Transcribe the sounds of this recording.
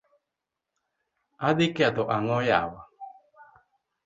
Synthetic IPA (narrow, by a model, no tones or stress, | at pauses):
adikeat̪oʔaŋɔja̰wa